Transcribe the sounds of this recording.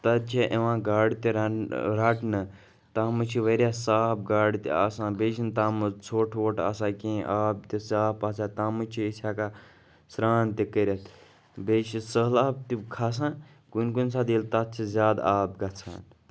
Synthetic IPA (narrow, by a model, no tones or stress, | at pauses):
t̪ɐt̪̚t͡ʃʰeʔeʋãːɡaːɽit̪iɾɾɐʈʰnɨ | t̪aːmɨt͡ʃʰiʋəɾʲjaːsaːp̚ɡaːɽit̪ḭa̰ːsãːbet͡ʃʰint̪aːmɨt͡sʰoːʈʰʋoːʈa̰ːsãːkẽːʔaːb̚t̪isaːpaːsaːt̪aːmɨt͡ʃʰiisʲaːka | sɾaːnt̪ikəɾʲɐt̪ʰ | bet͡ʃʰisəlaːb̚t̪ikʰaːs̬ãː | kunkunsaːd̪ilt̪ɐt̪̚t͡ʃʰizʲjaːd̪aːb̚ɡɐt͡sʰa̰ːn